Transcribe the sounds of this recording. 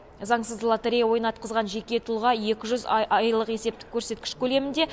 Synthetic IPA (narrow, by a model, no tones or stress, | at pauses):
zɑɴsəzlˠat̪eɾʲijawo̞jnɑt̪̚qʰəzʁɑnʒe̞kʲe̞t̪ʰʊlˠʁɑje̞kʲɪʒʏzɑjlˠəqe̞se̞p̚t̪ɪ̥kʲʰːɵɾse̞t̪̚kʲɪ̥ʃkʲʰɵle̞mɪnd̪e̞